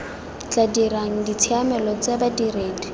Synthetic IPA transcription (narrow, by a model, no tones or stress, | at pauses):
t͡ɬʼadiɾaŋ̩dit͡sʰiamɛlɔt͡sebadireːdi